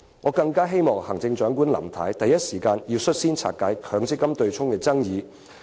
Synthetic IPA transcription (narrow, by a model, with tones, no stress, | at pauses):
ŋɔː˨˧kɐ˧ŋkaː˥ɦe˥jmɔː˨˩ŋhɐ˨˩ŋt͡sɪ˧ŋt͡ʃœː˨˥ŋkuː˥nlɐ̰˨˩mt̪ʰaː˨˥jt̪ɐ˨jːɐ˥t̚siː˨˩kaː˧njiː˧wsɵ˥t̚siː˥nt͡sʰa̰ː˨t̚kaː˨˥jkʰœː˨˧˥ŋt͡sɪ˥kːɐ˥mt̪ɵ˧ɥt͡sʰʊ˥ŋkɛː˧t͡sɐ˥ŋjiː˨˧